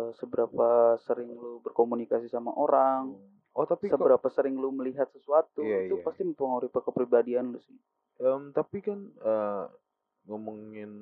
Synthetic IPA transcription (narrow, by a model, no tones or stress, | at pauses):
əsəbəɾapasəɾɪŋlubərkomunikasisama̰ʔoɾaŋ | ot̪aisəbbəɾapasəɾɪŋluməliɦat̪̚səsuat̪uit̪upast̪iməmpuŋauɾipakəpɾibadianlʊsɪ | əmt̪apikanə | ŋomuŋɪn